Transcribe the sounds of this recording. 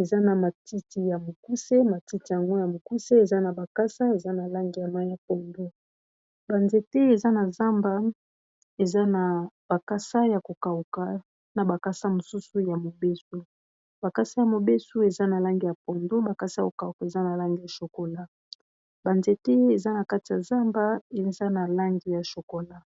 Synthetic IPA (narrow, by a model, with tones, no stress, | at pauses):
e˨za˦na˨ma˨tʰi˦ti˨ja˨mo˨ku˦se˦ma˨ti˦ti˨ja˨ŋɡo˦ja˨mo˨ku˦se˦e˨za˦na˨ba˨ka˦sa˦e˨za˦na˨la˦ŋɡi˦ja˨ma˦ja˨pɔ˨ndo˦ | ba˨nze˨te˦e˨za˦na˨za˦mba˦ | e˨za˦na˨b̥a˨ka˦sa˦ja˨ko˨ka˨u˨ka˨˦ | na˨ba˨ka˦sa˦mo˨su˦su˦ja˨mo˨be˦su˦ | ba˨ka˦sa˦ja˨mo˨be˦su˦e˨za˦na˨la˦ŋɡi˦ja˨p̚o˨ndo˦ba˨ka˦sa˦a˨ko˨ka˨u˨ka˨e˨za˦na˨la˦ŋɡi˦ja˨ʃo˨ko˨la˦ | ba˨nze˨te˦e˨za˦na˨ka˦ti˨ja˨za˦mba˦e˨za˦na˨la˦ŋɡi˨ja˨ʃo˨ko˨la˦